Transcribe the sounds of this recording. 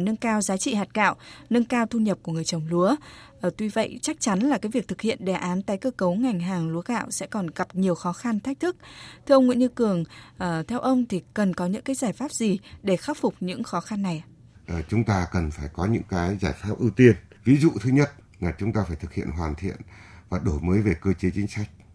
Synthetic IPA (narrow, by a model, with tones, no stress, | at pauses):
nə˧nkaː˧wzaː˨˦t͡ɕḭ˧˨haː˨˩t̚ka̰ː˧˨wnə˧nkaː˧wt̪ʰu˧ɲə˨˩p̚ku˧˩əŋɨ˨˩əjt͡ɕə˨˩wŋ͡mlu˨˦əʔt̪wu˧və̰˧˨jt͡ɕa˦˥k̚t͡ɕa˨˦nlaː˨˩kaː˨˦jvi˨˩ək̚t̪ʰɨ˨˩k̚hḭ˧˨ənɗɛ˨˩ʔaː˨˦nt̪aː˨˦jkəː˧kə˨˦wŋa˨˩jŋ̟ɦaː˨˩ŋlu˨˦əɣa̰ː˧˨wsɛ̰˧˥kɔ˨˩nɣa˨˩p̚ɲi˨˩əwxɔ˨˦xa˧nt̪ʰa˦˥k̚t̪ʰɨ˦˥k̚t̪ʰɨ˧ʔə˧wŋ͡mŋḭ˧˨ɲɨ˧kɨ˨˩əŋʔəː˨˩t̪ʰɛ˧wʔə˧wŋ͡mt̪ʰi˨˩kə˨˩nkɔ˨˦ɲɨ̰˧˥ŋkaː˨˦jzaː˧˩jfaː˦˥p̚zi˨˩ɗe˧˩xaː˦˥p̚fʊ˨˩k͡p̚ɲɨ̰˧˥ŋxɔ˨˦xa˧nːa˨˩j | ʔt͡ɕʊ˨˦ŋ͡mt̪aː˧kə˨˩nfaː˧˩jkɔ˨˦ɲɨ̰˧˥ŋkaː˨˦jzaː˧˩jfaː˦˥p̚ʔɨ˧wt̪i˧ənvi˨˦zṵ˧˨t̪ʰɨ˨˦ɲə˦˥t̚ | laː˨˩t͡ɕʊ˨˦ŋ͡mt̪aː˧faː˧˩jt̪ɨ˨˩k̚hḭ˧˨ənɦwaː˨˩nt̪ʰḭ˧˨ənvaː˨˩ɗo˧˩jməː˨˦jve˨˩kəː˧t͡ɕe˨˦t͡ɕï˨˦ŋ̟sa˦˥jk̟̚